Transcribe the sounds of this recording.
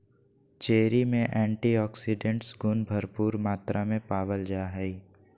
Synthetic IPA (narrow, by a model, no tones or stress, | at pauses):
t͡ʃeːɾimẽʔɛ̃ːɳʈiɔːksɪɖẽɳʈsɡʊnbʱəɾpuːɾmaːt̪ɾʔamẽpaːʋəld͡ʒaːɦɛi